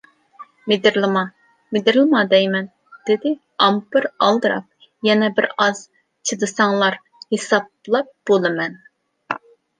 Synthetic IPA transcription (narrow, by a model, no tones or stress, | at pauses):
med̪ɪɾlˠɨmɑ | mɪd̪ɪɾlˠɨmɑd̪ɛjmɛn | d̪̥ɪd̪ɪ | ɑmpɨɾɑlˠd̪ɨɾɑ̰p̚ | jɛnɛbɪɾɑz̥ | t͡ʃʰɨd̪ɨsɑŋlˠɑɾ | hesɑb̚ | lˠɑp̚b̥olˠɨmɛn